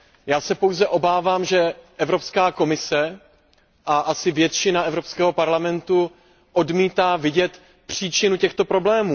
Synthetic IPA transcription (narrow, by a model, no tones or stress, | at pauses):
jaːsɛpo̞wzɛʔo̞baːvaːmʒɛʔɛvɾopskaːko̞mɪsɛ | ʔaʔasɪvjɛt̪t͡ʃɪnaʔɛvɾopskɛːɦo̞paɾlamɛnt̪u | ʔo̞dmiːt̪aːvɪɟɛt̪ | pr̝̥iːt͡ʃɪnucɛxt̪o̞pɾo̞blɛːmuː